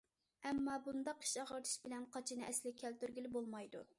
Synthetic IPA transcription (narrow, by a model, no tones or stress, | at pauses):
ɛmːɑbund̪ɑqi̥ʃɑʁəɾt̪ʰɨ̥ʃbɪlɛnqʰɑt͡ʃʰinɨʔɛslɪkʲʰælt̪yɾɡʲilɪbolˠmɑjd̪u